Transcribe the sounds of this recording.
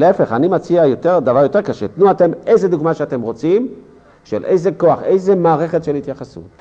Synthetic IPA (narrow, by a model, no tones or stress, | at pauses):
leefe̞χanimat͡siajo̞te̞ʁd̪avaʁjotekeʃet̪nuate̞me̞jzed̪uɡmaʃeate̞mʁo̞t͡sim | ʃḛlʔe̞jzeko̞aχe̞jzemaːʁe̞χetʃelit̪jaχasṵt